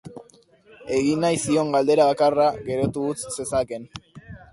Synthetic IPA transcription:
e̞ɣinajsio̞ŋɡald̪e̞ɾaβakaraɣe̞ɾot̪uɣut͡sse̞sake̞n

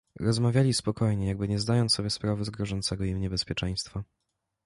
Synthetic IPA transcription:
ɾɔzmavʲjalʲispɔkɔjɲɛjaɡ̚bɘɲɛzd̪ajɔnt̪ɔbʲjɛspɾavɛzɡɾɔʐɔnt̪sɛɡɔimɲɛbɛspʲjɛt͡ʂɛj̃st̪fa

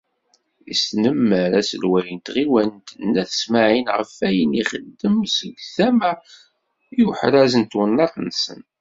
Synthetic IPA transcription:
ḭsnəmːəɾæsəlwæjənt̪ʁiwænt̪ənːæθə̥smaʕinʁə̰fæjəniχəd̪ːəmsəɡθæmæ | juħɾæzənt̪wənːɑtˤnsə̰n

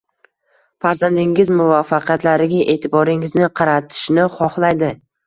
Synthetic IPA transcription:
faɾzand̪ɪŋɪzmʊvafːɑqʰjat̪laɾɪɡʲaʔe̞ːt̪ʰɪbɒɾɪŋɪznɪqʰɑɾat̪ʰɪ̥ʃnɪχɒχlˠajd̪ɪ

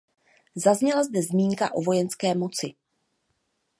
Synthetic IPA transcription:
zazɲɛlazdɛzmiːŋka̰ʔo̞vo̞jɛnskɛːmo̞t͡sɪ

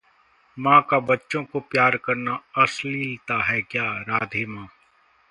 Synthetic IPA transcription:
mãːkabɐtːʃõkopjaːɾkɐɾnaɐslit̪aɦɛkjaːɾaːd̪ʱimãː

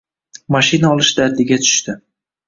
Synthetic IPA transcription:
maʃinaɒlˠɪʃd̪aɾd̪ɪɡʲat̪ʰʊ̥ʃt̪ɪ

